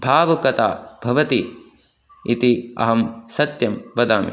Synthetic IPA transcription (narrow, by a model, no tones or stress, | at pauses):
bʱaːʋɐkɐt̪a̰ːb̥ʱɐʋɐt̪i | it̪iɐ̰ɦɐmsɐt̪jɐmʋɐd̪aːmḭ